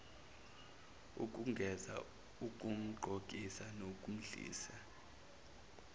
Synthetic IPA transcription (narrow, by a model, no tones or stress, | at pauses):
ṵk̬ʼuŋɡʱɛza̰ | uk̬ʼum̩ɡ͡ǃʱokʼisanokʼum̩ɮḭːsa